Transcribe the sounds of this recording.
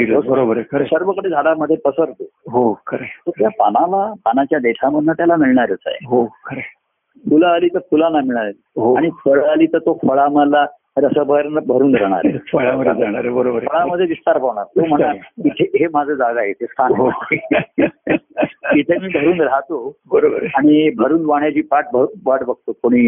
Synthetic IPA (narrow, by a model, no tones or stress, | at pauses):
iɾobəɾobəɾəɾsəɾʋəkəɽed͡zʱaɽaməd̪ʱjepəsəɾt̪oɦokʰəɾet̪ot̪japanalapanat͡ɕjad̪eʈʰaməd̪ʱnət̪jalamiɭɳaɾat͡sa̰jḛɦokʰəɾe | fulaːliːt̪əɾfulanlamiɭɳaɾe | ɦoaɽ̃ifəɭaliːt̪əɾt̪ofəɭaməla | ɾəsəbʱəɾnəbʱəɾuːnɾəɦɽ̃a̰ɾḛəɭəɾ̰aɳaɾebəɾobəɾəɭaməd̪ʱːjeʋist̪aɾpaʋɳ̃a̰ɾt̪om̤əɳait̪ʰeɦemad͡zʱəd͡zaɡaɦet̪est̪ʰanɦo | it̪ʰemiːbʱəɾuːnɾaɦt̪obəɾobəɾaɽ̃ibʱəɾuːnʋaɳjat͡ɕiːpaʈ̚bʱəbaʈbʱəɡ̚t̪okoɽ̃iː